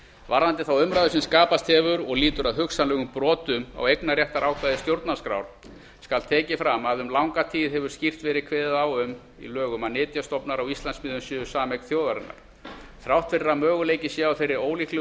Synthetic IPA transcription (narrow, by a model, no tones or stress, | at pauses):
vaɾðant̪ɪθawʏmɾaðʏsɛmskaːpast̪hɛvʏɾɔɣliːt̪ʏɾaðɦʏksanlɛːɣʏmpɾɔːt̪ʏma̰wejknarjɛht̪aɾʔaːwkʰvaðɪst̪jowɾt̪naskɾa̰wɾ̥ | skalt̪ʰɛːcɪfɾamaðʏmlawŋkat̪ʰiːðɦɛvʏɾ̥scir̥t̪vɛːɾɪðkʰvɛːðɪðawʏm | ḭlœːɣʏmaðnɪːt̪jast̪ɔpnaɾawist̪lansmɪːðʏmsjʏːʏsaːmɛkθjoːwðaɾɪnːa̰ɾ̥ | θɾawht̪fɪɾɪɾamœːɣʏleːjcɪsjɛawfejɾɪɾoːwliklɛ